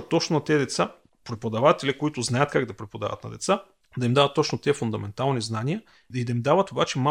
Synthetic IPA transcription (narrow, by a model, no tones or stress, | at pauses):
t̪ːɔt͡ʃnonɐt̪ɛd̪ɛt̪sa | pɾɛpod̪ɐvat̪ɛlʲikoit̪ʊznajət̪kaɡd̪ɐpɾɛpod̪a̰və̰t̪nɐ̰d̪ɛ̰t̪sa | d̪ɐimd̪avɐt̪ːɔt͡ʃnot̪ɛfund̪ɐmɛnt̪alˠniznanijə | id̪ɐimd̪avət̪obat͡ʃɛma